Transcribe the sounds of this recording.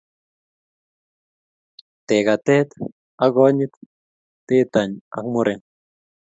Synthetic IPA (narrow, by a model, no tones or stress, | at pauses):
t̪eɣat̪et̪ | aɡoɲit̪ː | et̪aɲa̰kmoɾʔeŋ